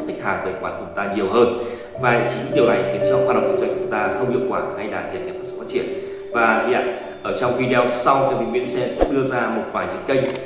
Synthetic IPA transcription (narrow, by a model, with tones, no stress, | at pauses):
ka˦˥k̚haː˨˩kəː˨˩kwaː˧˩nhʰə˧˩wŋ͡mt̪aː˧ɲi˨˩əwɦəː˧n | va̰ː˨˩˧t͡ɕi˨˦ŋ˦ɗi˨˩əwha˨˩jŋ̟t̪i˨˩ət͡ɕɔ˧ŋ͡mhaː˧ɗə̰˧˨ŋ͡mkə˧˩˦t͡ɕjt͡ɕʊ˨˦ŋ͡mt̪aː˧xə˧wŋ͡mʔḭ˧˥əw̚kwaː˧˩ha˧jɗaː˧˩zḭ˨˧˨t̪ʰːkːsɨ̥̰˧˩faː˦˧˥t͡ɕi˧˩ən | vaː˨˩zi˧˨ha̰˧˨ŋ | ʔəː˧˩t͡ɕɔ˧wŋ͡mvi˧ɗi˧ɔ˧wsa˧wkaː˨˦mï˨˧˩ŋwḭ˧˥ənsɛ˧˦ɗɨ˧əzaː˧mo˨˩t̚faː˧˩jɲɨ̰˧˦˥ŋkə˧jŋ